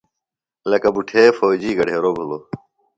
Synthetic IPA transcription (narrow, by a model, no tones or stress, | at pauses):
ləkɐbuʈʰeːfoːd͡ʑiːɡəɖ̤ʱeːɾoːbʱuloː